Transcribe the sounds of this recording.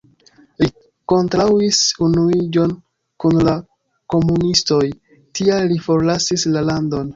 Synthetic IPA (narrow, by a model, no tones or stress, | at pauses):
li | ko̞ntɾawisunuid͡ʒo̞n | kunla | ko̞munisto̞j | tʰialːifo̞ɾlasislalando̞n